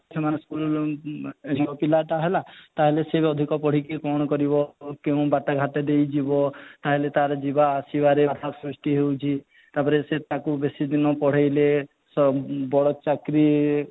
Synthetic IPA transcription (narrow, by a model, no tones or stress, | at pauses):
sʰemanskul | niɔpilaʈ̪aɦelat̪aɦeleseɔd̪ʱikɔpɔɽ̤ikekɔɽ̃ɔkɔɾibɔkeũbaʈaɡʱaʈed̪ejd͡ʒibɔt̪aɦelet̪aɾɔd͡ʒibaːsibaɾeat̪ʰasɾusʈiɦewt͡ʃʰi | t̪apɔɾeset̪akubesid̪inɔpɔɽ̤ejle | sɔbɔɽɔt͡ʃakɾi